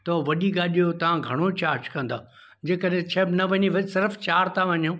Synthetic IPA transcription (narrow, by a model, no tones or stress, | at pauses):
t̪ɐʋɐɗiɡaːɗijot̪ɐʋ̤ãɡʱɐɽ̃ot͡ɕaːɾd͡ʑkɐ̃nd̪aː | d͡ʑeːkəɗɦɪ̃t͡ɕʰebnɐʋɐɲiʋɐsɪɾft͡ɕaːɾt̪ãʋɐɲjõ